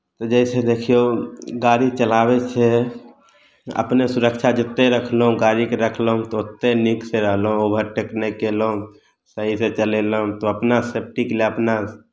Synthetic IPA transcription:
t̪ɔd͡ʒɛsed̪ekʰijoɡaɾit͡ʃəlabet͡ʃʰɛ | ə̰pnesuɾəkt͡ʃʰad͡ʒɪt̪ːeɾəkʰlɦũɡaɾikeɾəkʰləɦũt̪ɔot̪ːenikseɾəɦlɦũobʱəɾʈeknekelũ | səɦiset͡ʃəleləɦũt̪oəpnasep̚ʈikleəpna

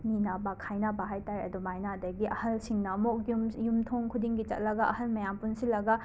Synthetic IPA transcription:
ninabɐkʰajnabɐɦajtajɐ̰dumajnadɐɡiʔɐhɐlsiŋnɐmok̚jumjumtʰoŋkʰudiŋɡit͡ʃɐ̰t̚lɐɡɐʔɐhɐlmɐjampunsilɐɡɐ

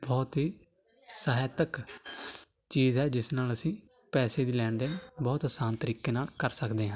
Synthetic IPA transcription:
bɔːt̪ɦiː | saːɦet̪ək | t͡ʃiːzɦɛːd͡ʒɪsnaːləsĩː | pɛːseːd̪iːlɛːɳd̪eːbɔːt̪ɦsaːnt̪əɾiːkeːnaːlkəɾsəkd̪eːɦãː

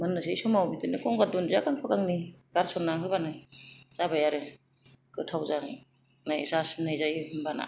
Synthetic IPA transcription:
manːɯsejsɔmawbidɯnɯkɔŋɡadunzakaŋpʰaɡaŋniɡ̥aɾsɔnaɦɯbanɯjz̥abajaɾɯ | kɯtʰawza | najzasnajzajhɯmbana̰

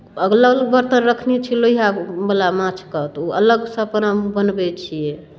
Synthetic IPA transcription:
əɡlələɡ̚bəɾt̪əɾɾəkʰnit͡ʃʰiloiɦabəlamãt͡ʃʰkət̪uə̰ləɡsə̃pənamubənbɛt͡ʃʰijɛ

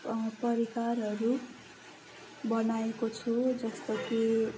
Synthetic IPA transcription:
pʌɾikarɦʌɾu | bʌnaekot͡sʰud͡zʌst̪ʌk̪i

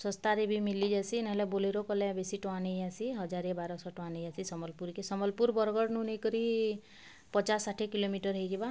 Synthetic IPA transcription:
sɔ̃st̪aɾebʱimilid͡ʒasienaɦelɛboleɾokɔlebesiʈɔanejasiɦɔd͡ʒaɾebaɾɔsɔʈɔ̃anejasisɔmɔlpuɾkesɔmɔlpuɾbɔɾɡɔɽnunejkɔɾi | pɔt͡ʃasːaʈʰekilomiʈɔɾɦejɡeba

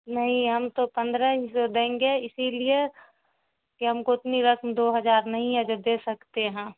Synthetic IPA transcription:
nɐɦĩɦɐmt̪opə̃nd̪ɾəɦisod̪ẽːŋɡeɪsilie | kiɦɐmkoɪt̪niɾəkʰmd̪oːɦɐd͡ʒaːɾnɐɦĩɦɛd͡ʒod̪eːsəkt̪eɦɛ̃ː

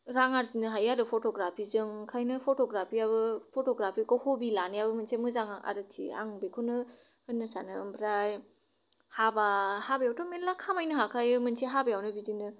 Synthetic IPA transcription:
ɾaŋaɾzinɯɦajaɾɯpʰotɔɡɾapʰizɯŋkʰajnɯpʰotɔɡɾapʰiabɯpʰotɔɡɾapʰikɔhobilanijabɯmɯnsʰemɯzaŋaʔa̰ɾɯtʰḭa̰ŋbekʰonɯ | hɯnːɯsanɯɯmpʰɾaj | habahabɐjawtʰomelːakʰamajnɯɦakʰajɯmɯnsʰeɦabajawnɯbidinɯ

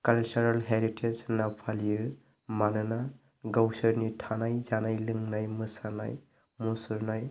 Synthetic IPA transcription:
kalt͡ʃuɾalɦeɾitʰesnapʰalijɯ | manɯna | ɡawsɯɾnitʰanajzanajlɯŋnajmɯsana̰j | musuɾnaj

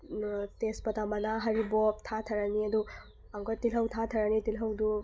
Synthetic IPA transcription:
tespɐtamɐnaɦɐɾibɔtʰatʰɐɾɐniɐdu | aŋɡɔtilɦɐwtʰatʰɐɾɐnitilɦɐwdu

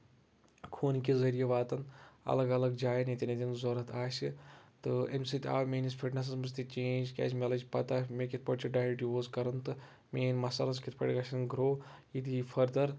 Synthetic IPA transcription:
kʰoːnkʲezɐɾijeʋaːt̪ɐnɐ̰lɐɡɐlɐɡd͡ʒaːjnet̪ʲinet̪ʲinzoːɾɐt̪ʰaːsit̪ɨemsit̪ʲa̰ːʋmeːnispʰiʈnɐs̬ɐzmɐst̪it͡ʃeːnd͡ʒkʲa̰ːsʲmʲeɐlɐd͡ʒpɐt̪aːmekʲit̪̚ʰpɐʈt͡ʃʰiɖaːiɖioːzkɐɾɐnt̪ɨ | meːnʲmɐsɐlɐskʲit̪ʰpɐ̰ʈʲiɡɐsʰɐnɡɾoːjid̪ifʰɐɾd̪ɐɾ

